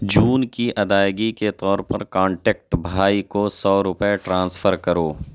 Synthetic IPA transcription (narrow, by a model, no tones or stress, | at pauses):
d͡ʒuːnkiʔɐd̪aːjɡiket̪ɔːɾpɐɾkãːɳʈeːk̚ʈbʱaːikosɔːɾʊpeʈɾãːnsfʰəɾkɐɾoː